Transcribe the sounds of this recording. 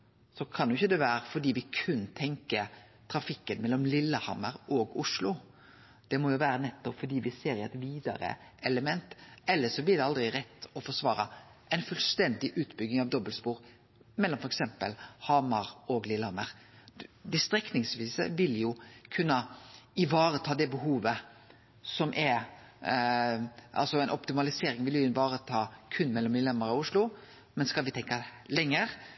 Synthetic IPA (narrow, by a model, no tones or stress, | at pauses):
sɔkʰɑnjʊɪçːəd̪ɛʋæːɾəfɔɖiːʋɪkʰʉnt̪ʰɛŋkə | t̪ʰɾɑfɪkːənmɛlːɔmlɪlːəhɑməɾɔɡʊʂlʊ | d̪̥ɛmɔjʊʋæːɾənɛt̪ːɔpfɔɖiːʋɪseːɾɪɛt̪ʋiːd̪ɑ̰ɾə̰ɛləmɛnt̪ɛlːəʂɔblɪd̪ɛɑld̪ɾʁɪɾɛt̪ːɔfɔʂʋɑːɾɑ | ʔæɛɪnfʉlst̪ɛnd̪ɪʔʉːt̪bʏɡnɪŋɑʋd̪ɔbəlspuːɾ | mɛlːɔmfɔɾɛksɛmpə̰lhɑmɑɾɔɡlɪlɑməɾ | d̪ɛst̪ɾɛknɪŋsʋiːsə̰ʋɪljʊkʰʉnːəɪʋɑːɾət̪ʰɑːd̪ɛbəɦuːʋə | sɔmʔɛɾ | ʔɑ̰lsɔɛɪnɔpt̪ɪmɑlɪseːɾɪŋʋɪljʊɪnʋɑːɾət̪ʰɑːkʰʉnːmɛlːɔmɪlɛmːəɾɑʊʂlʊ | mɛnskɑlʋɪt̪ʰɛŋkɑlɛŋːəɾ